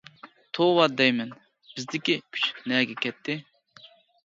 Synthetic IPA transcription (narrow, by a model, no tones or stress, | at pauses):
t̪ʰowɑd̪ɛjmɛn | b̥ɪzd̪ɪkʲikʲʰy̥t͡ʃnɛɡʲɛkʲɛt̪ʰːɪ